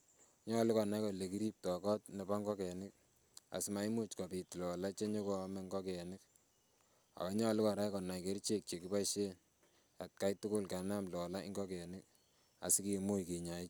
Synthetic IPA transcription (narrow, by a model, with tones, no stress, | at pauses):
ɲɔ˦lɪ˦kɔ˨na˦jkɔ˨le˨ki˦ɾi˦p̚tɔ˨kɔ˦tne˨ba˦ŋɡɔ˦kɛ˨nɪ˦k̚ | a̰˨sma˦i˦mu˦t͡ʃkɔ˨pi˨tlɔ˨la˦t͡ʃe˦ɲo˦ko˦mɛ˦ŋɡɔ˦kɛ˨nɪ˦k̚ | a̰˨ka˦ɲɔ˦lɪ˦kɔ˨ɾa˦jkɔ˨na˨jke˦ɾt͡ʃe˦k̚t͡ʃe˨ki˦pa˦ʃe˦ | a˨t̚ka˦jtʊ˦kʊ˦lka˨na˦mlɔ˨la˦i˦ŋɡɔ˦kɛ˨nɪ˦k̚ | a̰˨si˦ki˨mu˦jki˨ɲa˨ɪ˦t͡ʃ